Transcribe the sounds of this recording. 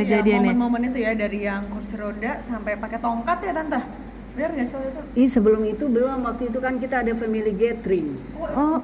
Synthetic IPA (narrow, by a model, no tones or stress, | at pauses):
kəd͡ʒadianmənmomənit̪ujadaɾijaŋkʊrsiɾodasampajpakɛt̪oŋkat̪jat̪ant̪ah | bənərɡast̪uisəbəlʊmit̪ubəlumamwak̚t̪uit̪̬ukankit̪aːdafamiliɡɛt̪ɾɪŋ | ɔ